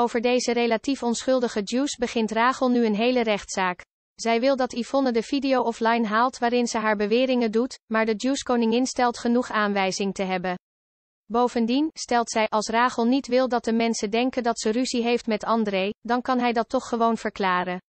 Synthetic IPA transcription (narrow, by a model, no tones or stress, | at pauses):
owvəɹdejzərelaːtifɔnsχɵlˠdəχəd͡ʒuːsbəχɪntraːχəlˠnyənɦejlərɛχtsaːk | z̥ɛjʋɪlˠdɑtifɔnədəv̥idijowɔflɑjnɦaːlˠtʋaːɾɪnzəɦaːɹbəʋɪːrɪŋəndutmaːɹdəd͡ʒuːskownɪŋɪnstɛlˠtχənuχaːnʋɛjzɪŋtəɦɛbən | bowvəndinstɛlˠtsɛjʔɑlˠsraːχəlˠnitʋɪlˠdɑt̚dəmɛnsədɛŋkəndɑtsəryziɦejftmɛtɑndrejdɑnkɑnɦɛjdɑtːɔχːəʋownv̥əɹklaːɾən